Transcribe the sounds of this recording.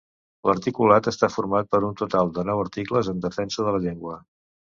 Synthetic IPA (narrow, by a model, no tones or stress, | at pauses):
ləɾt̪ikulat̪əst̪afuɾmat̪̚pəɾunt̪ut̪alˠd̪ənɔwəɾt̪ikləzənd̪əfɛnsəðələʎeŋɡwə